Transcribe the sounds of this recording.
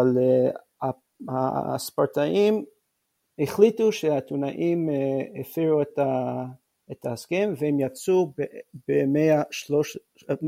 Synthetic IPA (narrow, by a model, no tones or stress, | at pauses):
al | a | ha̰spaɾt̪aʔim | eχlituʃehat̪unaʔimefiʁueta | et̪ʰahaskemvehemjat͡subebemeaʃloʃ